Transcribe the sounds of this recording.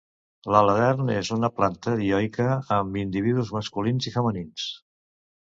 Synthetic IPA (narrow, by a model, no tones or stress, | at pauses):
lələðɛɾnezunəplant̪əðiɔjkəːmbind̪iβiðuzməskulinzifəmənins